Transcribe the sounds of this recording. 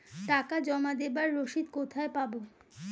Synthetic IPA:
ʈakad͡ʑɔmad̪ebaɾːoʃid̪kot̪ʰaepabo

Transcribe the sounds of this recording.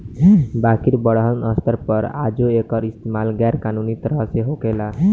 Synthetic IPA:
bakiɾbəɽɦənəst̪əɾpəɾa̰d͡ʒoekəɾist̪emalɡɛɾkanunit̪əɾəseɦokela

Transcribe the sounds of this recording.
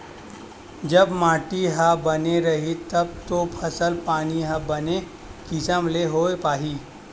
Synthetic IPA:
d͡ʒɐbmaːʈiɦabɐneɾɐɦit̪ɐb̚t̪opʰɐsəlpaːniɦabɐne | kɪsəmleɦoːepaːɦiː

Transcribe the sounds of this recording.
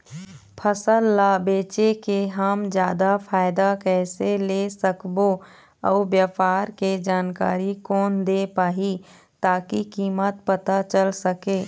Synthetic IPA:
pʰəsəlːaːbeːt͡ʃekeɦəmd͡ʒjaːd̪afʰaːɪd̪akɛːseleːsəkbo | ɔːbjəpaːɾked͡ʒaːnka̰ːɾikɔːnd̪epaːɦi | t̪aːkikiːmət̪̚pət̪at͡ʃəlsəkeː

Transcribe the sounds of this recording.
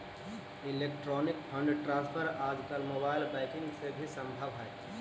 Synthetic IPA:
ileːk̚ʈɾoːnikpʰə̃ɳɖʈɾãːnspʰəɾaːd͡ʒkəlmoːbaːɪlbaɪkɪ̃ŋɡsebʱisə̃mbʱəʋɦɛj

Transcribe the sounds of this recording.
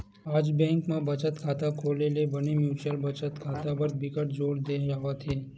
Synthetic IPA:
aːd͡ʒbɛ̃ːŋkmãbət͡ʃət̪kʰaːt̪akʰoːlelebənemjuːt͡ʃəlbət͡ʃət̪kʰaːt̪abəɾt̪̚bɪkəʈ̚d͡ʒoːɽd̪eːjaʋat̪ʰeː

